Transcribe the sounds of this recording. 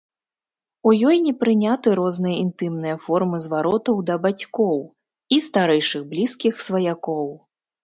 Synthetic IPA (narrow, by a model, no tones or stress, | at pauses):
ujɔjnʲɛpɾɨnʲat̪ɨɾɔznɨjɐint̪ɨmnɨjɐfɔrmɨzvaɾɔt̪ɐwd̪ɐbat͡sʲkɔw | ist̪aɾɛjʂɨɣblʲiskʲixsvɐjakɔw